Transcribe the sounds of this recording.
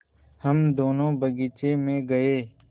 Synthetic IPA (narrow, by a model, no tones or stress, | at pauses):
həmd̪oːnõːbʱəɡiːt͡ʃeːmẽːɡəeː